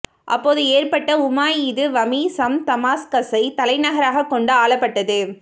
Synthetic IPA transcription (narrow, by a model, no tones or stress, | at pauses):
ʔɐ̰pːoːðɯeːrpɐʈːɐʊmaːjɪðɯʋɐmisɐmt̪ɐmaːskɐsɐɪt̪ɐlɐɪnɐɣɐɾaːɣɐkːɔɳɖɯaːɭɐpːɐʈːɐðɯ